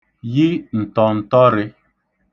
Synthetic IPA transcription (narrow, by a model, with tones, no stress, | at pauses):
ji˦n̩˨tɔ˨n̩˨tɔ˦ɾɪ˦